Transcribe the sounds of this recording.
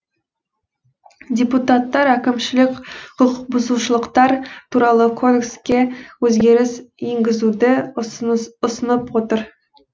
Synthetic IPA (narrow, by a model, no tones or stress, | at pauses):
dʲeput̪ɑt̪ːɑɾækʲɪmʃɪlɪkʲqʰʊlˠqbʊzuʃəlˠəqt̪ɑɾt̪ʰuɾɑlˠəkʰo̞d̪ekskʲe̞wɵzɡʲe̞ɾɪseŋɡʲɪzud̪ɪ | ʊsənəpwo̞t̪əɾ